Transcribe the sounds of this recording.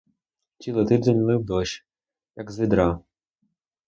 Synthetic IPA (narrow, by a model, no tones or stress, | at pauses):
tʲilˠɔt̪ɪd̪ɛnʲlˠɪwd̪ɔʃ | jɐɡzɪd̪ɾɑ